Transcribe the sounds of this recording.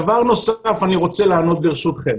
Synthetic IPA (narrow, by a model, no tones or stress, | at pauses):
vaʁno̞sfaniʁo̞t͡selaːno̞t̪̚beʁeʃut̪χem